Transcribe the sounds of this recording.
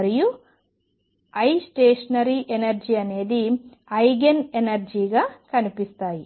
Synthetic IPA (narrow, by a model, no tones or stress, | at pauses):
ɾiju | ɐjsʈeːʂɐnɐɾiʔenɐɾd͡ʒiɐne̞ːd̪i | ɐjɡenenɐɾd͡ʒiːɡaːkɐnipist̪aːji